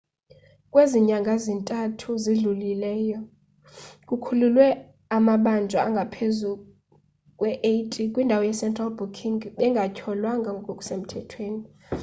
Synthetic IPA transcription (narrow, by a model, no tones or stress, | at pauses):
kʼweziɲaŋɡʱazintʼatʰuziɮulilɛːjɔ | kʼukʰululwɛ | amaɓand͡ʒʱwaaŋɡʱapʰezu | kʼwɛʔejtʼikʼwindʱawɔjɛsɛntʼralbukʰiŋɡɓɛŋɡʱacʰɔlwaŋɡʱaŋʱɡɔkʼokʼu̥sem̩tʰɛtʰweːni